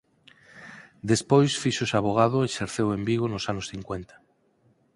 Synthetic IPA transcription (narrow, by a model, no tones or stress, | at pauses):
d̪espojsfiʃosaβ̞oɣ̞aðoeʃeɾθewembiɣ̞onosanosθiŋkwent̪ḁ